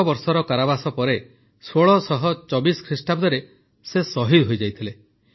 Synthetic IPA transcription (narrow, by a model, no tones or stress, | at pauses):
ɔbɔɾsɔɾɔkaɾabasɔpɔɾe | soɭɔsɔɦɔt͡ʃɔbiskʰɾisʈab̚d̪ɔɾe | sesɔɦid̪ɦojd͡ʒajt̪ʰile